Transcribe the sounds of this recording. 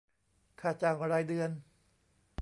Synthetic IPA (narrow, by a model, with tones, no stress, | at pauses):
kʰaː˧˩t͡ɕaː˧˩ŋ˧ɾaː˧jdɯ˧ən